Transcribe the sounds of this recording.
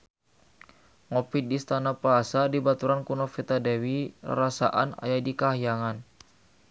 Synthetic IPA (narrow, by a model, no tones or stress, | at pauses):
ŋɔpidist̪anapaasadibat̪uɾankunɔfit̪adɛwḭɾasa̰ʔa̰na̰jadikaɦjaŋan